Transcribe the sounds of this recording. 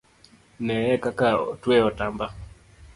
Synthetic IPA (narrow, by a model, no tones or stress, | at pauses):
nɛɛkakaɔ̰twɛɔtamba